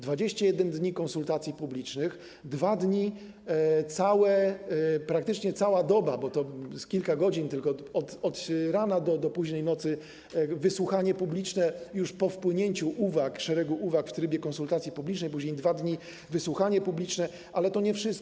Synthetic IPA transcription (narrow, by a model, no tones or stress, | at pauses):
d̪vad͡ʑeɕt͡ɕajɛd̪ɛnd̪ɲikɔnsult̪at̪sʲjipublʲit͡ʂnɘx | d̪vad̪ɲi | t̪sawɛ | pɾak̚t̪ɘt͡ʂɲɛt̪sawad̪ɔbabɔt̪ɔskʲilkaɡɔd͡ʑint̪ɘlkɔɔt̪ɔt̪ɾanad̪ɔd̪ɔpuʑɲɛjnɔt̪sɘ | vɘswuxaɲɛpublʲit͡ʂnɛjuʂpɔfpwɘɲeɲt͡ɕuʔuvakʂɛɾɛɡuʔuvakft̪ɾɘbʲjɛkɔ̃nsult̪at̪sʲjipublʲit͡ʂnɛjpuʑɲejd̪vad̪ɲi | vɘswuxaɲɛpublʲit͡ʂnɛ | ʔalɛt̪ɔɲɛfʂɘst̪̚